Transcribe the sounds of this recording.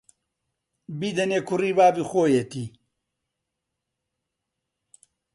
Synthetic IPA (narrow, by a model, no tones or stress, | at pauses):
biːd̪ɐneːkʰuriːbaːbixoːjet̪iː